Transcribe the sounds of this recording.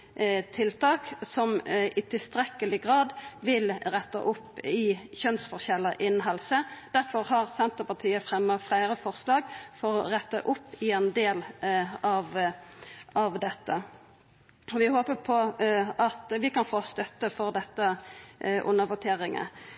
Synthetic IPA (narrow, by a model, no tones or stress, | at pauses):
t̪ʰɪlt̪ʰɑːksɔmɪt̪ʰɪlst̪ɾɛkəlɪɡʁɑːd̪ʋɪlʁɛt̪ːə̰ʔʊpːɪçœnsfɔʁçɛlːəʔɪnɦɑlsəd̪̥æʁfɔʁhɑʁsɛnt̪əpɑt̪ʰiːəfʁɛmːəflæɪʁəfɔʁslɑːɡfɔʁɔʁɛt̪ːə̰ʔʊpːɪɛnd̪eːlɑʋ | ɑʋd̪ɛt̪ːə | ɔʋɪhoːpəpʰɔɑt̪ʋɪkɑnfoːst̪œt̪ːəfɔʁd̪ɛt̪ːə | ʔʊ̰nːəʋʊt̪ʰeːʁɪŋə̰